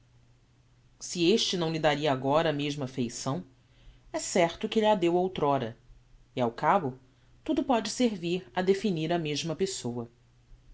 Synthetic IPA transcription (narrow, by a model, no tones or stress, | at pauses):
sieʃt͡ʃɪnɐ̃w̃lɪd̪aɾiɐaɡɔɾɐːmeʒmɐfejsɐ̃w̃ | ɛsɛɾt̪ʊkɪʎad̪ewowt̪ɾɔɾɐ | iawkabʊ | t̪ud̪ʊpɔd͡ʒɪseɾviɾɐd̪efiniɾɐmeʒmɐpesowɐ